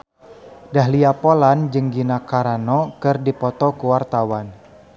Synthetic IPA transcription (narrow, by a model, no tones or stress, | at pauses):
daɦliapoland͡ʒɨŋɡinakaɾanɔkɨrdipɔt̪ɔkuwart̪awan